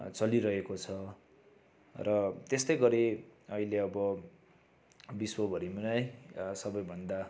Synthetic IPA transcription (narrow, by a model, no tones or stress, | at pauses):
t͡sʌliɾʌɦekot͡sʰʌ | rʌt̪est̪ʌjɡʌɾeʌileʌbʌ | biswʌbʱʌɾimunʌjsʌbʌjbʱʌnd̪a